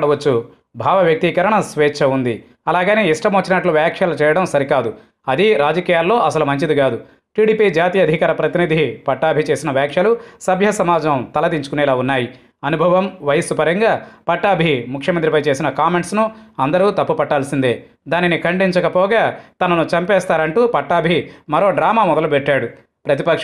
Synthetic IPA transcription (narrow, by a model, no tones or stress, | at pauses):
ɽɐʋɐt͡ʃːu | bʱaːʋɐʋjɐk̚t̪ikɐɾɐɳɐsʋeːt͡ʃɐund̪i | ɐlaːɡaːneiʂʈɐmʋɐt͡ʃːinɐʈluʋjaːkʂaːlut͡ʃɛːjɐɽɐmsɐɾikaːd̪u | ɐd̪iɾaːd͡ʒɐkiːjaːlːo̞ːʔɐsɐlumɐɲt͡ʃid̪iɡaːd̪u | ʈiːɽiːpid͡ʒaːt̪iːjɐd̪ʱikaːɾɐpɾɐt̪inid̪ʱipɐʈːaːbʱit͡ʃe̞ːsinɐʋjaːkʂɐlusɐbʱjɐsɐmaːd͡ʒɐmt̪ɐlɐd̪iɲt͡ʃu̥kunɛːlaːunːaːji | ɐnubʱɐʋɐmʋɐjɐsupɐɾɐŋɡaːpɐʈːaːbʱimukʰjɐmɐnt̪ɾipɐjt͡ʃe̞ːsinɐkaːme̞ɳʈsnuɐnd̪ɐɾuːt̪ɐpːupɐʈːaːlɐsind̪eː | d̪aːninikɐɳɖiɲt͡ʃɐkɐpɔːɡaːt̪ɐnɐnut͡ʃɐmpɛːst̪aːɾɐɳʈuːpɐʈːaːbʱimɐɾo̞ːɖɾaːmaːmɔd̪ɐlupɛʈːaːɽu | pɾɐt̪ipɐk